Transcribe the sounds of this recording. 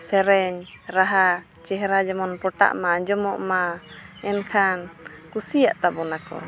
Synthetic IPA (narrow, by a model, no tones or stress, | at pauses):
sɛɾɛɲ | ɾaɦa | t͡ʃɛɦɾad͡ʒɔmɔnpɔʈa̰ʔmad͡ʒɔmɔʔmaɛnkʰankusijaʔt̪abɔnakɔ̰